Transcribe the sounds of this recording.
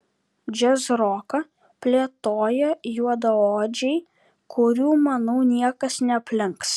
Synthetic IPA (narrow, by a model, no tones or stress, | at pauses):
d͡ʒʲɛzɾoːkɐ | pʲlʲeɛt̪oːjɛjuɔd̪ɐoːd͡ʒʲɛɪ | kʰʊɾʲuːmɐnɐʊnʲiɛkɐsnʲɛɐpʲlʲɪŋks